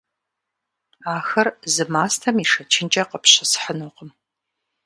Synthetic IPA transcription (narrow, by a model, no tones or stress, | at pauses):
aːxɐrzɨmaːstʰɐmiʂɐt͡ʃʰɪnt͡ʃʼɐqəpɕɪsħənuːqəm